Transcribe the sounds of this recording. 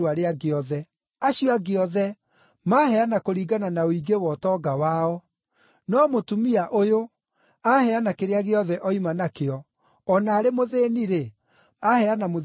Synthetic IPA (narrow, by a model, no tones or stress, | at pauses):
aɾeaɡeɔðɛ | aɕijɔaɡeɔðɛ | mahɛanakoɾiːɡananaoiɡewɔtɔɡawaɔ | nɔmotumiaʔojo | ahɛanakeɾeaɣeɔðɛʔɔimanakeɔː | naːɾemoðeːniɾe | ahɛanamo